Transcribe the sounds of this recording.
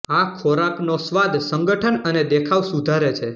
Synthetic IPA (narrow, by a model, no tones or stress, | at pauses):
akʰɔɾapnosʋad̪ʱsəŋɡəʈʰənəned̪ekʰaʋsud̪ʱaɾet͡ʃʰe